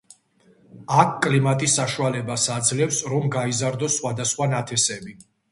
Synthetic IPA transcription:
akʰkʼlimat̪ʼisːaʃualɛbasad̪zlɛfsɾɔmɡaizaɾd̪ɔsːχwad̪asχwanat̪ʰɛsɛbi

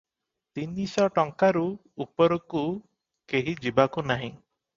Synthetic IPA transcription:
t̪inisɔʈɔŋkaɾuː | pɔɾɔku | keɦid͡ʒibakunaɦĩ

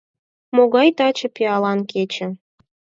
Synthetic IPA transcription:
moɣɑjt̪ɑt͡ɕɤ̆piɑlɑnket͡ɕə̆

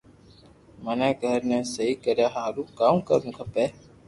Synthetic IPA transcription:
mənɛ̃ːɡʱəɾnɛ̃ːsəɦiːkəɾjaːɦaːlũːkaːuːkə̰ɾũːkʰəpeː

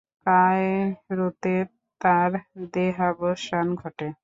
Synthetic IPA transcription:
kajɾot̪e | t̪aɾd̪eɦabəʃanɡʱɔʈe

